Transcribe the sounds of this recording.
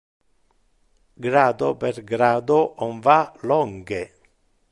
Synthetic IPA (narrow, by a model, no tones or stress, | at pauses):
ɡɾaːd̪opeɾɡɾaːd̪oʔɔɱvalɔŋɡe